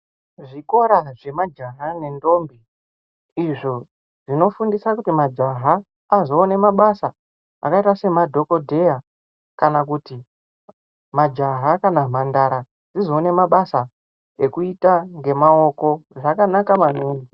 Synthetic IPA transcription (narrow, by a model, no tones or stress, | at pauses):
ʐiko̞ɾaʐe̞mad͡ʒaɦane̞ndo̞mbi | iʐo̞ | ʐ̥ino̞fundisakutimad͡ʒaɦaː | zo̞ːne̞maɓasa | a̰kaitase̞madʱo̞ko̞dʱe̞ja | kanak̬uti | mad͡ʒaɦakanam̤andaɾa | d͡zizo̞ːne̞maɓasa | e̞kuitaŋɡe̞mao̞ko̞ʐakanakamanombi